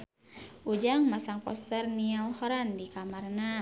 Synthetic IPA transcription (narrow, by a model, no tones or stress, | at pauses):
ʔud͡ʒaŋmasaŋpɔ̰st̪ərnialhɔɾandikamarna